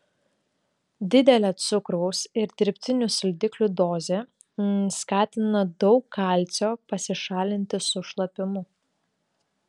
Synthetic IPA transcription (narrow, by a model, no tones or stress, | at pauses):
d̪ʲɪd̪ʲɛlʲɛt̪sʊkɾɐʊsɪɾd̪ʲɪɾʲpʲt̪ʲɪnʲʊsʲɪlʲd̪ʲɪklʲuːd̪oːzʲeː | skɑːt̪ʲɪnɐd̪ɔʊkʰːɑˑlʲˑt̪sʲoːpɐsʲɪʃɑːlʲɪnʲt̪ʲɪsʊʃlˠɐpʲɪmʊ